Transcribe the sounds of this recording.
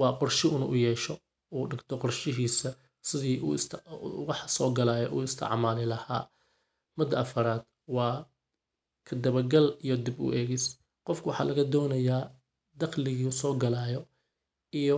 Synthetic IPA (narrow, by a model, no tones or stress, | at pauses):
wɑːqɔrʃɪʔʊnʔʊjɛːʃɔ | uːɖɪɡt̪ʰɔqɔrʃɪɦiːsɐ | sɪðiːʔṵːst̪wɑħsɔːɡɐlaːjɔʔuːɪst̪ʰɐ̰ʕmaːlɪlɐha̰ː | mɐd̪ɐʔɐfɐɾaːd̪̚ | wɑː | kʰɐd̪ɐβɐɡɐlijɔd̪ɪbʊ̰ʔɛːɣɪs | qɔfkʰʊwɑħɑ̰ːlɐɣɐd̪ɔːnɐjaː | d̪ɐqlɪɣiʊsɔːɡɐlaːjɔ | ijɔ